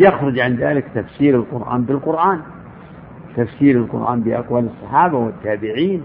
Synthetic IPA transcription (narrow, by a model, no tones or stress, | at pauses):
jaxɾˤʊd͡ʒʕanðaːlɪkt̪afsiːɾalqʊɾʔa̰ːnbɪlqʊɾʔaːn | t̪afsiːɾalqʊ̰ɾʔa̰ːnbɪʔa̰qwalɑsˤːɑħɑːbawɪt̪ːaːbɪʕiːn